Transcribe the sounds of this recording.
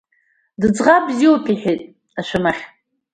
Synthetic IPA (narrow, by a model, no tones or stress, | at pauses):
dɨd͡zʁabziopʰiħejtʼ | aʃʷʰamaχʲ